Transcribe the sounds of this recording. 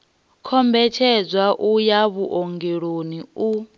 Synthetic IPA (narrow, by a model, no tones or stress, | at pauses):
kʰɔmbɛtʰɛd͡zwaʔujaβuʔɔŋɡeɺoniu